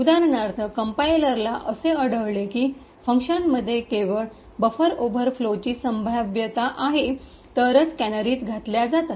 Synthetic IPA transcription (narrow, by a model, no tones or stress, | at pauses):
ud̪aɾnaɾt̪ʰəkəmpailəɾlaʔəseəɽəʋlekiː | fəŋkʂənməd̪ʱːjekeʋəɭ | bəfəɾobʱəɾflot͡ɕiːsəmbʱaʋjət̪aʔaɦe | t̪əɾət͡skænəɾiːt̪ɡʱat̪ljad͡zat̪at̪